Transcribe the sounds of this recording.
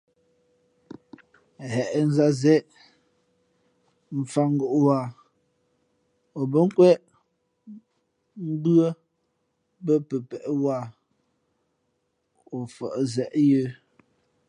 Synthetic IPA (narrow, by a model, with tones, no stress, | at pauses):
ɦɛ˨ʔn̩˦za˦zɛ˦ʔ | m̩˨fa˦ŋ˦ɡo˨ʔwa˦˨ | o˨bə˦ŋ̩˦kwɛ˦ʔ | m̩˦bɰə˦ | bə˦pə˨pɛ˨ʔwa˦˨ | o˨fə̰˨ʔzɛ˨ʔjə˦